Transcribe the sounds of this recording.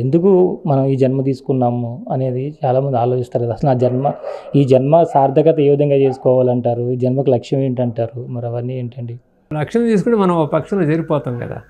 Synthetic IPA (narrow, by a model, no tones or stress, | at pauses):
e̞nd̪ukumɐnɐmiːd͡ʒɐnmɐt̪̬iːsu̥kunːaːmuɐne̞ːd̪it͡ʃaːlaːmɐnd̪iaːlo̞ːt͡ʃist̪aːɾɡɐd̪ɐsɐlnaːd͡ʒɐnmɐiːd͡ʒɐnmɐsaːɾd̪ʱɐkɐt̪ɐeːʋid̪ʱɐŋɡaːt͡ʃe̞ːsu̥kɔːʋaːlɐɳʈaːɾud͡ʒɐnmɐkilɐkʂjɐmeːɳʈɐɳʈaːɾumɐɾɐʋɐnːieːɳʈɐɳɖi | lɐkʂɐmt̪iːsukuɳʈemɐnɐmoɐpɐkʂɐlod͡ʒeɾipɔːt̪ɐːmkɐ̰d̪a̰ː